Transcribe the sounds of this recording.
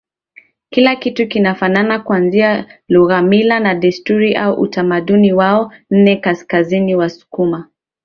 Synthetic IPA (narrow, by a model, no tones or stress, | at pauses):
kilakitukinafananakuanzialuɣamilanaɗɛstuɾiʔauʔṵtamaɗuniwaɔn̩nɛkaskaziniwasu̥kuma